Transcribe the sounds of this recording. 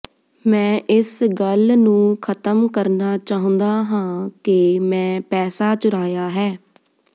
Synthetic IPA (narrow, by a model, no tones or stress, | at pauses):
mɛ̃ːʔɪsɡəlnũːkʰət̪əmkəɾnaːt͡ʃaːɦə̃nd̪aːɦãːkɪmɛ̃ːpɛːsaːt͡ʃʊɾaːjaːɦɛː